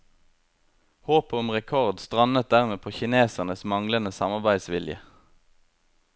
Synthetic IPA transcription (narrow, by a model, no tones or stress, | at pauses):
hoːpəʊmʁɛkʰɔʁd̪st̪ʁɑnət̪̚d̪æʁmeːpʰoːçɪneːsəʁnəsmɑŋlənəsɑmɑʁbæɪd̪sʋɪ̰ljə̰